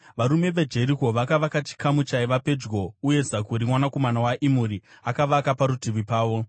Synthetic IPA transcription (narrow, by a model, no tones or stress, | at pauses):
ʋaɾume̞ʋed͡ʒe̞ɾiko̞ʋakaʋakat͡ʃi̥kamut͡ʃaiʋape̞d͡ʒɡo̞uje̞zakuɾimwanako̞manawaʔimuɾiakaʋakapaɾutiʋipaːʋo̞